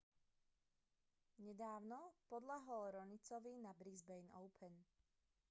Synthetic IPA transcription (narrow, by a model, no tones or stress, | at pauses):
ɲɛd̪aːʊnɔpɔd̪ʎaɦɔlɾɔnit͡sɔʋinabɾizbɛjnɔʊpʰɛn